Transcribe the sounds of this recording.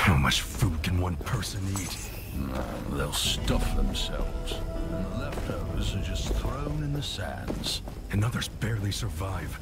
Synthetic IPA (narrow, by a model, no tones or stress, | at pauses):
haʊmʌt͡ʃfud̚kʰɨ̃nwʌ̃npʰɜ˞sɨ̃nit | na̰ | ðeɪlˠstʌfðə̰̃msɛ̰lˠvz̥ə̃nðəlɛfthaʊə˞zə̃˞d͡ʒʌsθɹõʊ̃nɨ̃nðɨsæ̰̃nz̥ | ɨ̃nʌðə˞zbɛɹlˠisə˞vaɪv̥